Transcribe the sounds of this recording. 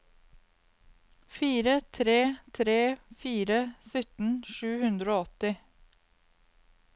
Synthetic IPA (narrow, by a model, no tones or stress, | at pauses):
fiːɾət̪ʰɾeːt̪ʰɾeːfiːɾəsʏt̪n̩ʃʉːhʉnd̪ɾoːɔt̪ɪ